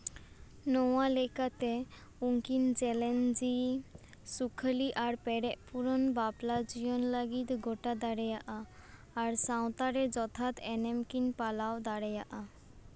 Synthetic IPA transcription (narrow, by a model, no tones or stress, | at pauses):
nowalekat̪e | uŋkind͡ʒɛlend͡ʒi | sukʰəliʔaɾpɛɽɛʔpuɾɔnbablad͡ʑijonlaɡit̪ɡoʈad̪aɾɛjaʔaː | ɾsaw̃t̪aɾed͡ʒɔt̪ʰat̪ɛnemkinpalawd̪aɽɛjaʔa